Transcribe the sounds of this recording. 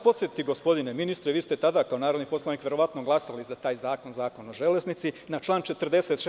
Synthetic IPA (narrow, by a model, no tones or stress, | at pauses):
po̞t̪sjet̪it̪ːiɡo̞spo̞d̪ine̞minist̪ɾeʋiːst̪e̞t̪ad̪akaonaːɾo̞d̪nipo̞slˠaniːkʋje̞ɾo̞ʋat̪no̞ɡlˠasalizat̪aːjzaːko̞nzaːko̞noʒe̞leznit̪sinat͡ʃlˠaːnt͡ʃe̞t̪rd̪e̞se̞t̪ʃ